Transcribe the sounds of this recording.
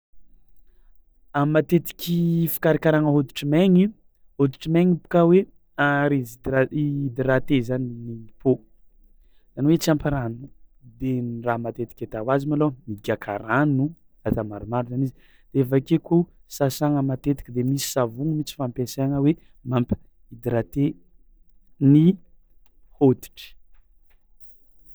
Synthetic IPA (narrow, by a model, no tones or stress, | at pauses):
amat̪et̪i̥kʲifi̥kaɾikaɾaŋəɦod̪u̥ʈ͡ʂimeŋi | hod̪uʈ͡ʂimeŋipu̥kawe | aɾid̪id̪iɾat̪ezaniniipo | z̥aniwet͡siampaɾanud̪enramat̪et̪i̥kʲat̪awazimalomiɡʲakʰa̰ɾanu | at̪amaɾumaɾuzanizi | d̪̥eefakekusasaŋəmat̪et̪i̥kəd̪emisi̥savuŋəmit͡si̥fampesaŋəwe | mampə̥ | id̪iɾat̪e | ni | hot̪i̥ʈ͡ʂi̥